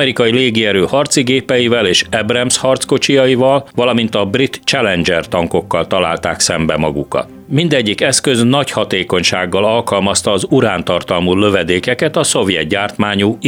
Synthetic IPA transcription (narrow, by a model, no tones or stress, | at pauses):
ɛɾikɒileːɡiɛɾøːhɒrt̪siɡeːpɛjivɛleːʃɛbrɛmshɒrt̪sko̞t͡ʃijɒjivɒlvɒlɒmint̪ɒbrit̪t͡ʃɛlɛnd͡ʒɛrt̪ɒŋko̞kːɒlt̪ɒla̰ːlt̪aːksɛmbɛmɒɡṵkɒ̰ | mind̪ɛɟːikɛskø̞znɒchɒt̪eːko̞ɲʃaːɡːɒlɒlkɒlmɒst̪ɒːzuɾaːnt̪ɒrt̪ɒlmulø̞vɛd̪eːkɛkɛt̪ɒso̞vjɛ̰t̪ɟaːrt̪maːɲuː